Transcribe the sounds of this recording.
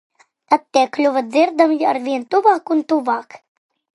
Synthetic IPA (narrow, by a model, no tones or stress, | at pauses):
t̪at̪̚ːʲɛklʲuvad̪zɪɾd̪amaɾvʲiɛnt̪uvaːkunt̪uvaːk